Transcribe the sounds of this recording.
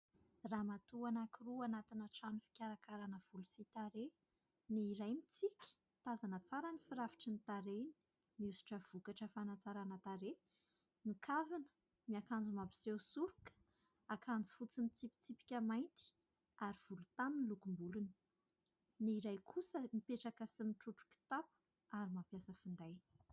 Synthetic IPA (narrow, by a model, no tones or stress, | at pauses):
ramat̪uanakiruanat̪inəʈ͡ʂanufi̥kʲaɾakaɾanəv̥ulusit̪aɾe | niːɾajmit͡sikʲi̥ | t̪azanət͡saɾanifiɾavi̥ʈ͡ʂinit̪aɾeni̥ | miusi̥ʈ͡ʂəv̥ukaʈ͡ʂəfanat͡saɾanət̪aɾe | nikʰavinə̥ | miakand͡zumabi̥sewsuɾukə̥ | akʰand͡zi̥fut͡sinit͡sipi̥t͡sipi̥kʲəmajnt̪i̥ | aɾiv̥ulut̪aminlukumbuluni̥ | niiɾajkʰusəmipeʈ͡ʂakəsimiʈ͡ʂuʈ͡ʂu̥kʲi̥t̪apu̥ | aɾimampjasəfund̪aj